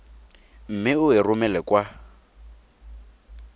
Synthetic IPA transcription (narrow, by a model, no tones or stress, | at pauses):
m̩mɪʊɪrʊmɛlɛkʼwa